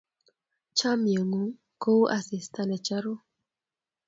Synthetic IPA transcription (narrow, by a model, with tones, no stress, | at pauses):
t͡ʃa˦mjə˨ŋu˨ | ko˦ʔa˨sɪ˨sta˨nɛ˨t͡ʃa˦ɾo˦